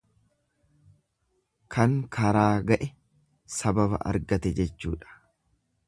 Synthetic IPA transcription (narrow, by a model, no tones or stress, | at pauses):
kʰɐŋkʰɐɾaːɡɐʔɛ | sɐbɐbɐ̰ʔɐ̰ɾɡɐt̪ɛd͡ʒɛt͡ʃːuːᶑɐ̥